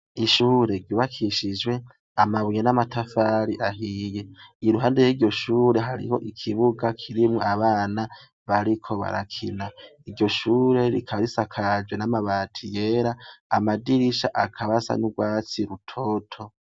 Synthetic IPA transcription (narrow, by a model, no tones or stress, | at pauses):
iʃuːɾe̞ɟuβakʰiʃid͡ʒwe̞ | amaβujenamatʰafaːɾiʔaɦijeiɾuɦaːndejiɾɟo̞ʃuːɾe̞ɦaɾḭho̞̰ʔikʰiβuɡakʰiɾimŋoaβaːna | βaɾikʰo̞βa̰ɾa̰kʰinaidɟo̞ʃuːɾe̞ɾikʰaβaɾisakʰad͡ʒwenamaβaːtʰijeːɾaːmadiɾiʃa̰ʔakʰaβasa̰nuɡwaːt͡siɾutʰotʰo̞